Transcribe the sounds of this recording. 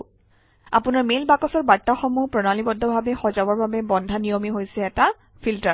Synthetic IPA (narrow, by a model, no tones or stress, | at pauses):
apʊnaɹmelbakɔsɔɹbaɹtːaxɔmupɹɔnalibɔdʱːɔbʱabɛxɔzabɔɹbabɛbɔndʱanijɔmiɦojsɛːta | pʰiltaɹ